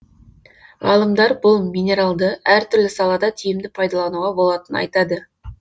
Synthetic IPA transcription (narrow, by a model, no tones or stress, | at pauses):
ʁɑlˠəmd̪ɑɾbʊlˠmʲijnʲe̞ɾalˠd̪əæɾt̪ʰʏɾlɪsɑlˠɑd̪ɑt̪ʰijɪmd̪ɪpʰɑjd̪ɑlˠɑnuʁɑbo̞lˠɑt̪ənɑ̰jt̪ɑd̪ə